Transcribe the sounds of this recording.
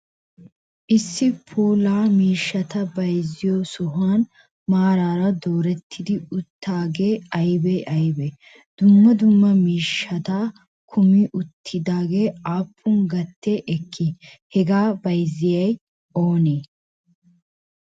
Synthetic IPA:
ʔɪsːɪpʰuːlaːmiːʃːɐt̪ɐbɐjzɪjoːsɔɦaːn | maːɾaːɾɐd̪o̞ːɾɛt̪ʰːɪd̪ɪʊt̪ʰːaːɡe̞ːɐjbɛʔɐjbɛ | d̪̥ʊmːɐd̪ʊmːɐmiːʃːɐt̪aː | kʰʊmɪʔʊt̪ʰːɪd̪aːɡe̞ːaːpʰːʊŋɡɐt̪ːeʔɛkʰːɪ | hɛɡaːbɐjzɪjɐj | ʔo̞ːneː

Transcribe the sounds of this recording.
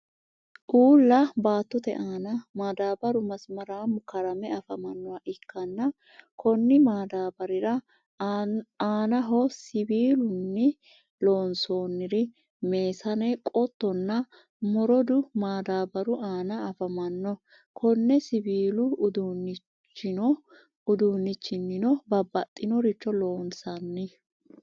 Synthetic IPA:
ʔuːlːɐbaːt̪ːɔt̪ɛ̰ʔaːnɐmaːd̪aːbɐɾʊmɐsmɐɾaːmʊkɐɾɐmɛɐfɐmɐnːɔwɐʔɪkːɐnːɐ | kɔnːɪmaːd̪aːbɐɾɪɾɐ | aːnɐɦɔsɪbiːlʊnːɛ | loːnso̞ːnːɪɾɪ | me̞ːsɐnɛkʼɔt̪ːɔnːɐ | mɔɾɔd̪ʊmaːd̪aːbɐɾʊʔaːnɐɐfɐmɐnːɔ | kʰɔnːɛsɪbiːlʊʊd̪unːɪ | t͡ʃːɪnɔ | ʊd̪uːnːɪt͡ʃːɪnːɪnɔbɐbːɐt̪ʼːɪnɔɾɪt͡ʃːɔlo̞ːnsɐnːɪ

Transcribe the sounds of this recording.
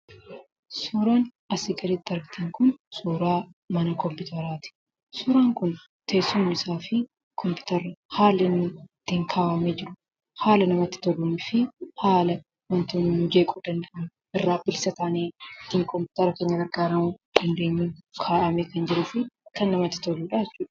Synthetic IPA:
suːɾaːn | ɐsɪɡɐɾiːt̪̚ːɐɾɡɪt̪ʰɐŋkʊnsuːɾaːmɐnɐkɔmpʊt̪ɐɾaːt̪ɪ̥ | suːɾaːŋkʊn | t̪eːsːʊmnɪɪsaːfɪ | kʰɔmpɪ̥t̪ɐɾɐhaːlːɪnːʊt̪ːɪŋkʰaːʔɐmed͡ʒɪɾʊ̥ | haːlɐnɐmɐt̪ːɪ̥t̪ɔlunɪfɪhaːlɐ | wɐnt̪ʊnːud͡ʒeːkʼuːd̪ɐnd̪ɐʔɐn | ɪrːaːbɪlsɐt̪aːneːt̪ːiːŋkɔmpʊ̥ːt̪ɐɾɐkeːɲːɐɡɐɾɡaːɾɐmʊᶑɐnd̪e̞ːɲːuːkʰaːʔɐmeːkɐnd͡ʒɪɾʊfɪkɐnːɐmɐt̪ːɪ̥t̪ɔluːᶑaːɛt͡ʃːuːᶑɐ̥

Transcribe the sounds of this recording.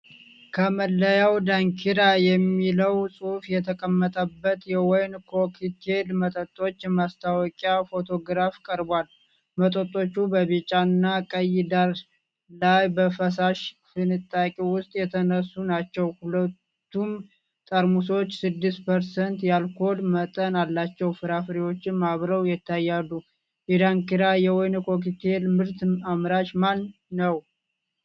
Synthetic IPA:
kʰəməlːəjawd̪aŋkʰiɾajɛmːiləwsʼufjɛt̪ʰəkʼəmːət̪ʼəbːət̪jɛwɔjnkʰokʰit̪ʰe̞lmət̪ʼət̪ʼːo̞t͡ʃːmast̪ʰawɔkʼjafo̞t̪ʰo̞ɡɾafkʼəɾbwal | mət̪ʼət̪ʼːo̞t͡ʃːubəβit͡ʃʼːanːakʼəjɪd̪aɾ | lajbəfəsaʃfɨnɨt̪ʼːakʼiwʊst̪ʼjɛt̪ʰənəsːunat͡ʃːɛwhulət̪ːum | t̪ʼəɾmus̬o̞t͡ʃːsɨd̪ːɨst̪pʰəɾsənt̪jalkʰo̞d̪mət̪ʼənalːat͡ʃːɛwfɨɾafɾiwo̞t͡ʃːɪnmaβɾəwjɛt̪ʰːajːalːu | ʔid̪aŋkiɾajɛwɔjnkʰo̞k̬it̪ʰelmɨɾt̪amɾaʃman | nəw

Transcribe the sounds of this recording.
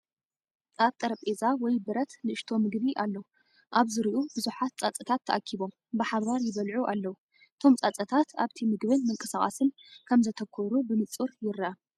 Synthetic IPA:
t͡sʼaβt̪ʼɐɾɐpʼezawɔjbɨɾɐt̪nɨʔɨʃt̪ʰo̞mɨɡβiʔalːɐwu | ʔaβzɨɾiʔubɨzuħat̪̚t͡sʼat͡sʼɐt̪ʰat̪ʰːɐʔakʰːiβo̞m | bɨħaβaɾjɪβɐlʕuʔalːɐwu | ʔɨt̪ʰo̞mt͡sʼat͡sʼɐt̪ʰat̪ʰaβt̪ʰimɨɡbɨnmɨŋkʼɨsaχʼa̰sɨnkʰɐmzɐt̪ʰɐkʰːɔɾubɨnɨt͡sʼːuɾjɪɾa

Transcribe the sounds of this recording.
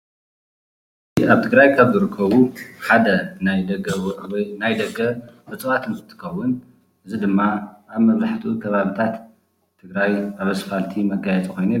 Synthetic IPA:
iaβt̪ʰɨɡɾajkʰaβzɨɾɨkʰːɐβuħad̪ɐnajd̪ɐɡɐwnajd̪ɐɡɐbɨt͡sʼɨwat̪ʰɨnzɨt̪ʰɨ̥kɐwːʊn | ʔɨzid̪ɨmːaʔaβmɐβɾaħt̪ʰukʰɐβaβit̪ʰat̪ʰː | ɨɡɾajaβɐsfalt̪ʰimɐɡajɛt͡sʼiko̞jne

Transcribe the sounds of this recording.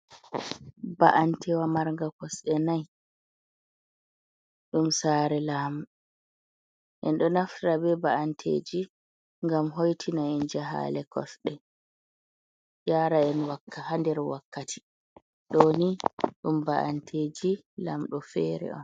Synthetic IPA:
ba̰ʔantʰɛwamaɾŋɡakɔsɛnaj | ɗumsaːɾɛlamɗɔ | ʔɛnɗɔnaftɾabɛbaʔantʰḛːd͡ʒi | ŋɡamɦojtʰinaɛnd͡ʒaɦa̰ːlɛkʰɔ̰sɗɛ | jaːɾaɛnwakːahandɛɾwakːatʰi̥ | ɗoniɗumbaʔa̰ntʰeːd͡ʒi | lamɗɔfɛːɾɛ̰ɔ̰n

